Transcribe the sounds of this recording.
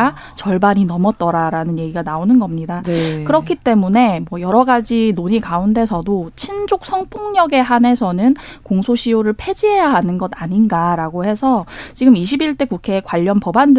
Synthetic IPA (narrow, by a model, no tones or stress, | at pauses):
a | t͡ɕʌɭbaɲinʌmʌt͈ʌɾaɾanɯnje̞ɡiɡanaonɯnɡʌmɲidakɯɾʌkʰit͈e̞mune̞mwʌjʌɾʌɡad͡ʑinoɲikaunde̞sʰʌdot͡ɕʰind͡ʑok̚s͈ʰʌŋpʰoŋɲʌɡe̞ɦane̞sʰʌnɯnkoŋsʰoɕʰijoɾɯɭpʰe̞d͡ʑiɦe̞jaɦanɯnɡʌdaɲinɡaɾaɡohe̞sʰʌt͡ɕiɡɯmiɕ̬ʰibiɭt͈e̞kukʰe̞ːkwaʎːʌnpʌband